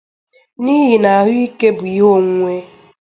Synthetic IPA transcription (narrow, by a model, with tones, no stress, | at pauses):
ni˦ɦi˨na˨a˨ɦʊ˦i˦ke˦bʊ˨jo˦˨ŋʷe˦